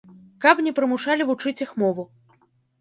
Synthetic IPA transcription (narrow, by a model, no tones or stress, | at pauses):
kapnʲɛpɾɨmuʂalʲivut͡ʂɨt͡sʲixmɔvu